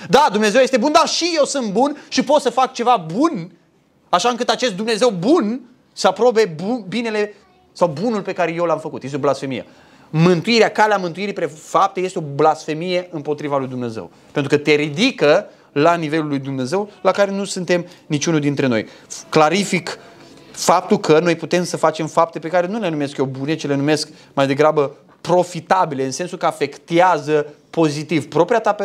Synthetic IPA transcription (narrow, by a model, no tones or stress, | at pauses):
d̪ad̪umne̞zewjest̪e̞bund̪aʃije̞wsɨnt̪̚bunʃipo̞t̪səfak̚t͡ʃe̞vabun | aʃaɨŋkɨt̪at͡ʃe̞st̪d̪umne̞ze̞wbun | səapɾo̞be̞bubine̞le̞ | sawbunulpe̞kaɾejewlamfəkut̪jest̪eoblasfe̞mijḛ | mɨnt̪uiɾeakaleamɨnt̪uiɾipɾefap̚t̪ejest̪eoblasfe̞mije̞ɨmpo̞t̪ɾivalujd̪umne̞zḛw | pent̪ɾukət̪e̞ɾid̪ikə | lanive̞lulːujd̪umne̞ze̞wlakaɾe̞nusɨnt̪e̞mnit͡ʃunud̪int̪ɾe̞no̞̰jklaɾifik | fap̚t̪ulkʰəno̞jput̪e̞msəfat͡ʃe̞mfap̚t̪e̞pe̞kaɾe̞nule̞nume̞skjowbune̞t͡ʃile̞nume̞sk | majd̪e̞ɡɾabə | pɾo̞fit̪abileɨnse̞nsulkəafe̞kt̪eazəpo̞zit̪ivpɾo̞pɾijat̪a